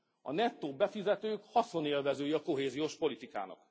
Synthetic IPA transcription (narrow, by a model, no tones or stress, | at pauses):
ɒ̰nɛt̪ːoːbɛfizɛt̪øːkhɒso̞neːlvɛzøːjɒko̞ɦeːzijoːʃpo̞lit̪ika̰ːnɒ̰k